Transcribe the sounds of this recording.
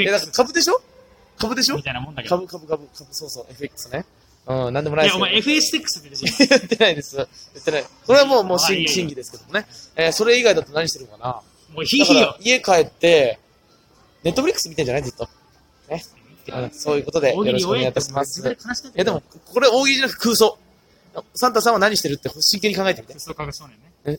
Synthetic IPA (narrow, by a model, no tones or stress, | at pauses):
jad̪akaɾkabɯ̟d̪e̞ɕo̞ | kabɯ̟d̪e̞ɕ̬o̞mt̪ãkabɯ̟kabɯ̟kabɯ̟kabɯso̞ːso̞ːʔe̞ɸɯ̟ekːɯ̥sne | ɯ̟̃nãnd̪emoaisaeɸɯesɨ̥ekːɯ̥sɨt̪ːejɯt̪ːe̞naid̪esɨjɯt̪ːenaiko̞ɾe̞βamo̞ːmo̞ːɕĩŋɕĩŋɡʲid̪e̞sɨ̥ke̞d̪o̞mone̞eso̞ɾe̞iɡaid̪at̪ːonaɲiɕt̪eɯ̟nkana | iiie̞kae̞t̪ːe̞ | ne̞t̪ːo̞ɸɯɾʲikːɯ̥sɨmʲit̪ãd͡ʑanaid͡zit̪ːo̞ | ne̞ | ɯ̃ːso̞ːjɯ̟ːkot̪o̞d̪e̞joɾkoɲeɡait̪aɕimasɨ̥jad̪e̞mo̞kkʰo̞ɾeo̞ːɡʲiid͡ʑanak̟t̪ekɯ̟ːso̞ː | sãnt̪asãɰ̃βanaɲ̟iɕi̥t̪e̞ɾɯ̟t̪ːeho̞ɕːĩŋkeɲ̟ikãŋɡae̞t̪emit̪eo